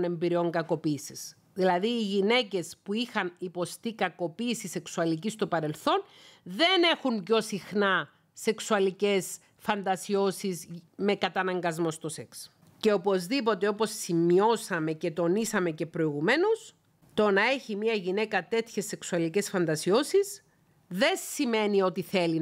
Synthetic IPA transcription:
ne̞mbiɾio̞ŋɡɐko̞piːsis | ðilɐðiːʝine̞ce̞spuixɐnipo̞st̪ikɐko̞piːsise̞ksuɐlicist̪o̞pɐɾe̞lθo̞n | ðe̞ne̞xunco̞sixnɐ | se̞ksuɐlice̞s | fɐnd̪ɐsio̞sizme̞kɐt̪ɐnɐŋɡɐzmo̞st̪o̞se̞ks | ce̞opo̞zðipo̞t̪e̞o̞po̞sːimio̞sɐme̞ce̞t̪o̞nisɐme̞ce̞pɾo̞iɣume̞nos | t̪o̞nɐe̞çimiɐʝine̞kɐt̪e̞t̪çe̞sːe̞ksuɐlice̞sfɐnd̪ɐsio̞siz | ðe̞sime̞nio̞t̪iθe̞li

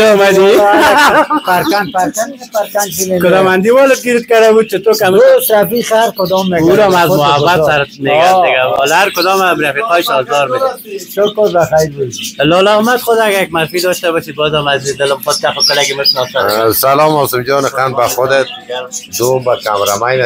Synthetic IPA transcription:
ɔmad̪i | faɾkanfaɾkanfaɾkant͡ʃimekʊd̪ɔmand̪iwɔlɪt̪̚ɡiɾɪt̪̚kad̪abud̪̚t͡ʃʰɪt̪okamt̪ɾafixaɾkʊd̪ɔmːeɡuɾɔmazmʊɦabat̪saɾɪt̪meɡaɾd̪ɪɡaɔlaɾkʊd̪ɔmamɾafiqɔjsɔlzɔɾmɪʃʃʊkoɾbaxajɾbud̪lɔlamad̪χʊd̪aɡaɾjak̚maɾfid̪ɔʃt̪abɔʃit̪̚bɔːzamazid̪ɪlɪmxʊt̪̚t̪axʊkəlaɡimɪʃnɔsasalɔmɔsɪmd͡ʒɔnɪqanbaxʊd̪et̪̚d̪obakamɾa̰majn

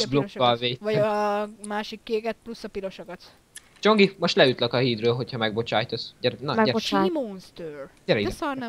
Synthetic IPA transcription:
blokʃːɒlveːvɒɟmaːʃikːeːkɛt̪̚plusːɒpilo̞ʃokɒt̪ | t͡ʃo̞ŋɡimo̞ʃt̪lɛyt̪lɛkɒɦiːd̪røːlɦo̞chɒmɛɡ̚bo̞t͡ʃaːjt̪ɛsɟɛɾnɒɛɛboimonst̪øːr | ɛɾɛisɒrnɛ

